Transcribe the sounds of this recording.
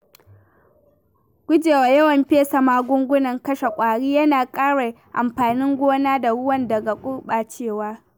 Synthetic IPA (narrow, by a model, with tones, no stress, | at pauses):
ɡ̥ʷʊ˦d͡ʒeː˨wa˨jɐ˦wɐ˨mɸeː˦sa˨maː˦ɡʷʊ˦ŋɡʷʊ˦nɐ˨ŋkɐ˦ʃe˨kʷʼaː˨ɽiː˦jɐ˦naː˨kʼaː˦ɽa˨ | ʔa˨mɸaː˨nɪ˦ŋɡʷoː˦naː˦da˨ɽʊ˦wɐ˦ndɐ˨ɡa˨kʷʼʊ˦rɓaː˨t͡ʃeː˦˨waː˦